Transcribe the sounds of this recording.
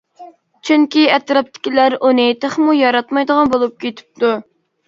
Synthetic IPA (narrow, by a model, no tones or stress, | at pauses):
t͡ʃʰyŋkʲiɛt̪ɾɑp̚t̪ʰɪ̥kʲilæɾunɪt̪ʰəχmujɑɾɑt̪mɑjd̪əʁɑnbolˠup̚kʲʰet̪ʰɪ̥p̚t̪u